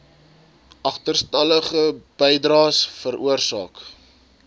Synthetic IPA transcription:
ʔɐχtərstɐləχəb̥əjdrɑːsfəɾʔuərsɑ̰ːk

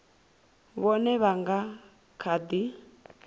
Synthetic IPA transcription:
βɔnɛβaŋɡa | kʰad̪i

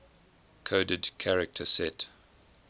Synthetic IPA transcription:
kʰoʊdədkʰaɹɪk̚tʰəsɛt

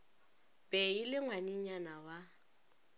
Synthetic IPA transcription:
pʼɛilɪŋwaɲiɲanawa

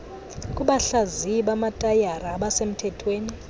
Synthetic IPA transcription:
kʼuɓaɬaziɓamatʼajaraɓasem̩tʰɛtʰweːni

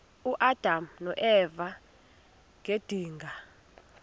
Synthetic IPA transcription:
uʔad̥ʱamnɔʔɛva | ŋʱed̥ʱiːŋɡʱa

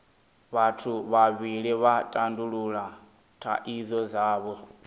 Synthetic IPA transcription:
βatʰuβaβiɺiβatʼanduɺuɺa | tʰa̰ʔizɔzaːβɔ

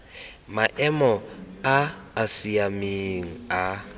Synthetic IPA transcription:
maʔɛmɔaːsiamiŋ̩a

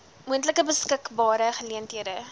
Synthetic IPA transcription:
muəntləkəbəskəkbɑːɾəχəliəntɦiədə

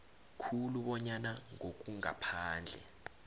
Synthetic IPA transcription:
kʰuluɓɔɲanaŋok̬ʼuŋa̰pʰaːnd͡ɮʱɛ̰

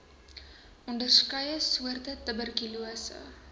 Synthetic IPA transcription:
ʔɔndərskɐjəsuərtətəbərkiluəsə̰

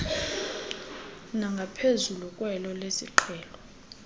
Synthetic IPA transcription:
naŋɡʱapʰezulukʼwɛlɔlesḭǃʰɛːlɔ

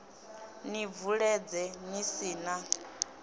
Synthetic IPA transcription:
nivuɺɛd͡zɛnisiːna

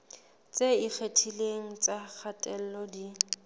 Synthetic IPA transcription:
t͡sʼeik͡xʰetʰileŋ̩t͡sʼak͡xʰatʼɛl̩lɔdi

